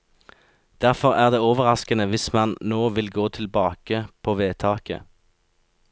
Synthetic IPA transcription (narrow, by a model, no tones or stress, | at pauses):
d̪̥æʁfɔʁæːʁd̪eːoːʋəʁɑskənəʋɪsmɑnnoːʋɪlɡoːt̪ʰɪlbɑːkəpʰoːʋeːt̪ʰɑːkə̰